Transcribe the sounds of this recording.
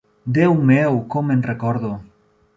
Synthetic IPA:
d̪ewmewkomenrekɔɾðo

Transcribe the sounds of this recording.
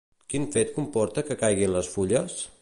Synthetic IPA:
kinfet̪kumpɔɾt̪əkəkajɣinləsfuʎəs

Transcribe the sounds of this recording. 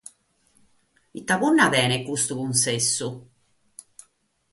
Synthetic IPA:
it̪ːakunːavɛːnɛkːust̪ukunsesːu

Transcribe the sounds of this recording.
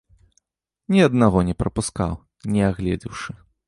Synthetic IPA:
nʲiɐd̪naɣɔnʲɛpɾɐpuska̰w | nʲɛaɣlʲɛd͡zʲiwʂɨ

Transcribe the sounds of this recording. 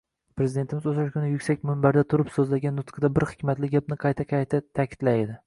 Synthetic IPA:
pʰɾezɪd̪e̞nt̪ʰɪmɪzoʃaʃkʰʲʊnɪjʊkʲsak̚ʲmʊmbaɾd̪at̪ʰʊɾɪpsɵzlaɡʲanːʊt̪qʰɑd̪abɪɾhɪ̥kʲmat̪lɪɡʲapnɪqʰɑjt̪ʰaqʰɑjt̪ʰat̪ʰakʲʰɪ̥t̪lajɪd̪ɪ

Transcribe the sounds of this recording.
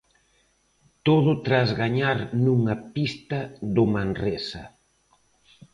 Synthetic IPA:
t̪oðʊt̪ɾazɣaɲaɾnuŋɐpist̪ɐðʊmanresɐ

